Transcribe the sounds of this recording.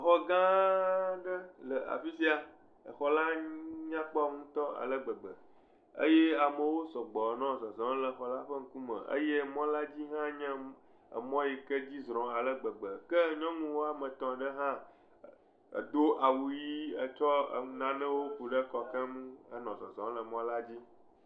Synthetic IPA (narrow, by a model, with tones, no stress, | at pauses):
xɔ˦ɡã˦ | ɖə˦lə˨a̰˨fi˦si˦a˨ | ə̰˨xɔ˨la˦ɲã˦k͡pɔ˦a˨ŋũ˦t̪ɔ˦a̰˨lə˦ɡ͡bə˨ɡ͡bə˨ | ə̰˦je˦a˨mə̃˨wo˦sɔ˨ɡ͡bɔ˨nɔ̃˦˨zɔ˨zɔ̃˨˦lə˨xɔ˨la˦ɸə˦ŋ̩˦ku˦mə̰̃˨ʔə̰˦je˦mɔ̃˦la˦d͡ʑi˦ɦã˦ɲɛ̃˦ | ə̰˨mɔ̃˦ji˨kə˦d͡ʑi˦zɾɔ̃˨a˨lə˦ɡ͡bə˨ɡ͡bə˨kə˦ɲɔ̃˦ŋũ˦wo˦a˨mə̃˨t̪ɔ̃˨ɖə˦ɦã˦˨ | d̪o˦ʔa˨wu˨ji˦ə˨t͡ʃɔ˦˨nã˨nɛ̃˦wo˦ku˨ɖə˦kɔ˨kɛ̃˦mũ˦ə̰˦nɔ̃˨zɔ̰̃˨zɔ̃˨˦lə˨mɔ̃˦la˦d͡ʑi˦